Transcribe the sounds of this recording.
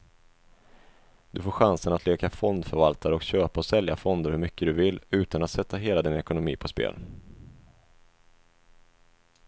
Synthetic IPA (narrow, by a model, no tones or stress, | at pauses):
d̪̥ɵfoːɾɧansənat̪ʰleːkafɔnd̪fœɾvalt̪ʰaɾəɔkɕøːpaɔsɛljafɔnd̪əɾhɵɾmʏkːəd̪ɵvɪlːʉ̟ːt̪anat̪sɛt̪ːaɦeːlad̪ɪnɛkʊnʊmḭːpʰɔspḛːl